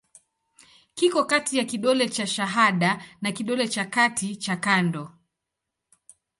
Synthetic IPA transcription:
kikɔkatijakiɗɔlɛt͡ʃaʃaɦaɗanakiɗɔlɛt͡ʃakatʰit͡ʃakandɔ

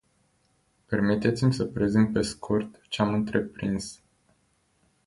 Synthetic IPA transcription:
pe̞rmit̪e̞t̪simʲsəpɾezin̚pe̞skʰurt̪t͡ʃeamɨnt̪ɾe̞pɾins

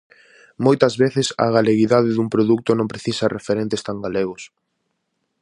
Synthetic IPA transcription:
mojt̪ɐzβeθɪsɐ̰ɣaleɣiðaðɪðuŋpɾoðuk̚t̪ʊnõmpɾeθisarefeɾẽnt̪est̪aŋɡaleɣ̞ʊs

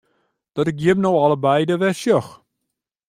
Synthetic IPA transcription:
d̥ɔtɪk̚jɪbnowɔləbɛjdəʋɛsjɔx

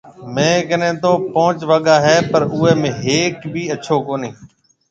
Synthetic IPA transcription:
mẽːkənẽːt̪oːpõːt͡ʃʋəɠaːɦɛːpəɾʊːeːmẽːɦeːkbʱiːəːt͡ʃʰoːkoːniː

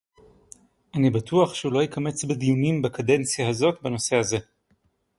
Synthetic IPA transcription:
ʔanibatuaχʃeulo̞jikame̞t͡sbed̪ijunimbakade̞nt͡sjahazo̞tbeno̞se̞haze̞

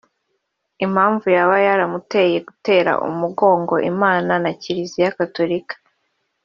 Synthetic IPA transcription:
im̥haːɱvujaβajaɾamute̞je̞ɡute̞ːɾa̰ʔṵmuɡo̞ːŋɡo̞ʔimaːnanaciɾizijakato̞ɾikḁ

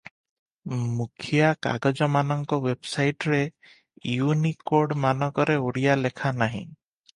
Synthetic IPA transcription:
mukʰijaka̰ɡɔd͡ʒɔmanɔŋkɔwebsajʈɾe | junikoɾɖmanɔkɔɾeuɽijalekʰanaɦḭ̃

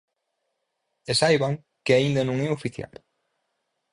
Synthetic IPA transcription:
esajβaŋ | kɪaind̪ɐnõŋɛofiθja̰l

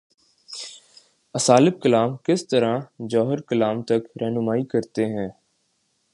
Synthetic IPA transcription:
əsaːlɪb̚kəlaːmkɪst̪əɾãd͡ʒɔːɦɪɾkəlaːmt̪ɐkɾʔɛːnʊmaːikɐɾt̪eɦɛ̃ː

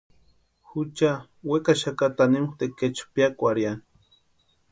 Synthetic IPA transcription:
xut͡ʃa | wekaʃakat̪animuxt̪eket͡ʃpjakʷaɾjan

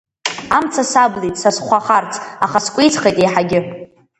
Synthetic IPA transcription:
amt͡sʰasablitʼsasχʷaχart͡sʰaχaskʷʼejt͡sʰχejtʼejħaɡʲɪ

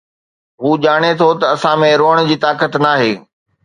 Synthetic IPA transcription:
ɦuːʄaːɽ̃et̪ʰot̪ɐɐsãmẽɾoːəɽ̃d͡ʑiːt̪aːkət̪naːɦeː

